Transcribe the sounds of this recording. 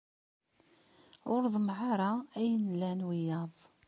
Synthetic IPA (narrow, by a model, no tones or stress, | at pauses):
ʊɾðˤmʕɑɾˤɑæjənlænwijɑðˤ